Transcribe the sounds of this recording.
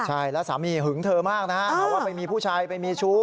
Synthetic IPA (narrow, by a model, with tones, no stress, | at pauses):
t͡ɕʰa˥˩jlɛ˦˥saː˩˦miː˧ɦɯ˩˦ŋt̪ʰɤː˧maː˥˩k̚na˦˥a˦˥ʔpʰːwaː˥˩pa˧jmiː˧pʰuː˥˩t͡ɕʰaː˧jpa˧jmiː˧t͡ɕʰuː˦˥